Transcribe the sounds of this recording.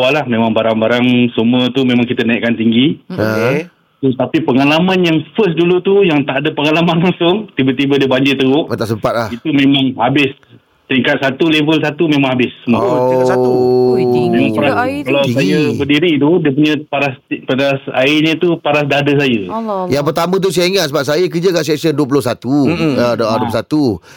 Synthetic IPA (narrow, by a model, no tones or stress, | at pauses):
walahmẽmãŋbaɾaŋbaɾaŋsəmuət̪umẽmãŋkit̪ənaiʔkant̪iŋɡio | t̪ət̪apipəŋalamãnjaŋfəs̬dulut̪ujaŋt̪aʔdəpəŋalamanlaŋsʊŋt̪ibat̪ibədiəbaɲd͡ʒɪrt̪əɡʊʔt̪səpat̪̚ait̪umẽmaŋhabɪs | t̪iŋkat̪̚sat̪ulevəlsat̪umẽmãŋhabɪssəma | mẽmãŋaɾakalawsajabədiɾit̪udiəpuɲə̃paɾasipaɾasa̰ɪɲə̃t̪upaɾasdadəs̬ajəjaŋp̬ərt̪amə̃t̪̬us̬ajaiŋat̪̚səbap̚sajakəd͡ʒakaʔsɛksənduəp̬ulʊsat̪uədʔduoplsat̪u